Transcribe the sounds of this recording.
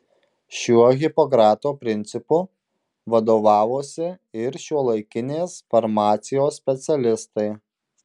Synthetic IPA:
ʃʲuɔɣʲɪpɔkɾɑːt̪oːpʲɾʲɪnʲt̪sʲɪpʊ | ʋɐd̪oːʋɑːʋoːsʲɪɪɾʃʲuɔlˠɐɪkʲɪnʲeːsfɐɾmɑːt̪sʲɪjoːsːʲpʲɛt̪sʲɛlʲɪst̪ɐɪ

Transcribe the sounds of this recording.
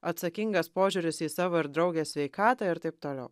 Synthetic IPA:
ɐt̪sɐkʲɪŋɡɐspoːʒʲʊɾʲɪsiːsɑːʋoːɪɾd̪ɾɒʊɡʲeːsʲʋʲɛɪkɑːt̪ɑɪɾt̪ɐɪp̚t̪oːlʲɛ̰ʊ

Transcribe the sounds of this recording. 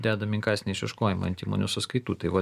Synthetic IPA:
d̪ʲæːd̪ɐmʲɪŋkɑɪsʲnʲɛɪʃʲʋʲɛʃkoːjɪmɐ̰ɐnt̪ʲiːmo̰nʲusʊskɐɪt̪uːt̪ɐɪʋɐ

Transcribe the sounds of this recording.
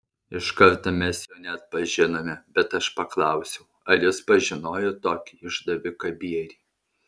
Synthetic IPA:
ɪʃkɐɾt̪omʲɛsjɛːnʲɛt̪̚pɐʒʲɪnomʲɛbʲɛt̪ɐʃpɐklˠɐˑʊsʲɛʊɐlʲɪspɐʒʲɪnoːjot̪oːkʲiɪʒd̪ɐʋʲɪkɐbʲiɛɾʲiː

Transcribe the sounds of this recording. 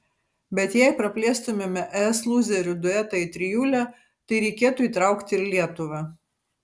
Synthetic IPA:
bʲɛt̪jæɪpɾɐpʲlʲeːst̪ʊmʲɛmʲɛʔɛɛslˠuːzʲɛɾʲʊd̪ʊɛt̪ɐɪt̪ʲɾʲɪjuːlʲæː | t̪ɐɪɾʲɛɪkʲeːt̪uːiːt̪ɾɐˑʊkt̪ʲɪɾlʲiɛt̪ʊʋɐ

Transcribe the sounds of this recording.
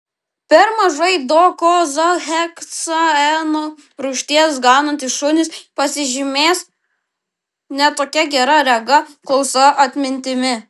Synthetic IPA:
pʲɛɾmɐʒɐɪd̪oːkoːzɐxʲɛksɐɛno | ɾuːʃʲt̪ʲiɛsɡɑːnɐnt̪ɪʃʃʊnʲɪspɐsʲɪʒʲɪmʲeːs | nʲɛt̪oːkʲɛɡʲɛɾɐɾʲɛɡɐkɔlˠsɐʔɐt̪ʲmʲɪnʲt̪ʲɪmʲɪ

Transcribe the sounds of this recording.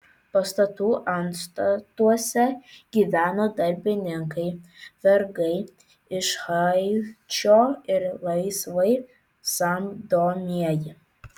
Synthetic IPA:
pɐst̪ɐt̪uːʔɐnst̪ɐt̪uɔsʲɛɡʲiʋʲæːnoːd̪ɐɾʲbʲɪnʲɪŋkɐɪʋʲɛɾɡɐɪ | ɪʃhɐɪt͡ʃʲoːɪɾlˠɐɪsʋɐɪ | sɐmd̪oːmʲiɛjɪ

